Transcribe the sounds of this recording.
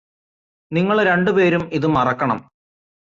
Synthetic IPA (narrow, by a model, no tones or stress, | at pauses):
niŋːɐɭɾe̞ɳɖupe̞ːɾumiðumɐrɐkːɐɳɐ̰m